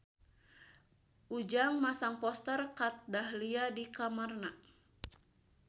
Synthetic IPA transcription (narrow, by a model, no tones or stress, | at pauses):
ʔud͡ʒaŋmasaŋpɔst̪ərkat̪̚dahliadikamarna